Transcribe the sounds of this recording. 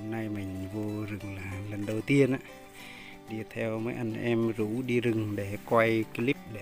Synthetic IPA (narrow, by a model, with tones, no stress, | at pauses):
mna˧jmï˨˩ŋ̟vo˧zɨ˨˩ŋlaː˨˩lə˨˩nɗə˨˩wt̪i˧ənʔaː˧˦ | ɗi˧t̪ʰɛ˧wməː˨˦jʔa˧ŋʔɛ˧mzu˧˩˦ɗi˧zɨ˨˩ŋɗe˧˩kwa˧jki˨˧˦li˦˥p̚ɗe˧˩